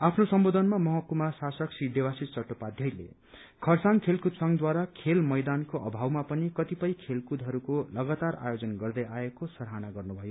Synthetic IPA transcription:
apʰnosʌmbod̪ʱʌnmamʌɦʌkumasasʌksid̪ewasit͡sʌʈːopad̪ʱjʌjlḛ | kʰʌrsaŋkʰelkud̪sʌŋd̪waɾakʰelmʌjd̪ankoʔʌbʱawmapʌnikʌt̪ipʌjkʰelkud̪ʱɦʌɾukolʌɡat̪ara̰jod͡zʌnɡʌrd̪ʌjaekosʌɾɦanaɡʌrnubʱʌjo

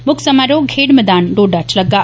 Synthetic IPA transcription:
mʊksɐmaɾoːɡʱeːɽməd̪aːnɖoːɖat͡ʃʰlɐɡa

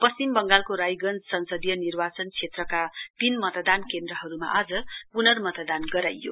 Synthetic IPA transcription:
pʌst͡simbʌŋɡalkoɾajɡʌnd͡zsʌnsʌd̪ijʌnirbat͡sʌnt͡sʰet̪rʌkapinmʌt̪ʌd̪ankend̪rʌɦʌɾuma̰ʔad͡zʌpunʌrmʌt̪ʌd̪anɡʌɾajːo̰

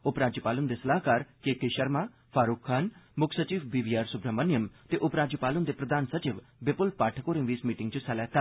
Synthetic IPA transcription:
ʊpɾaːd͡ʒjəpaːlʊnd̪esɐlaːkaːɾkeːkeʃəɾmaː | pʰaːɾuːkʰːaːnmʊkʰsət͡ʃiːʋbiːʋiːaːɾsʊbɾəmɐnjəmt̪eʔʊpɾaːd͡ʒjəpaːlʊnd̪epɾɐd̪ʱaːnsɐt͡ʃɪʋbepʊlpaːʈʰəkoːɾɪ̃ŋʋiːsmiːʈɪŋɡt͡ʃusɛlɛːt̪ʰa

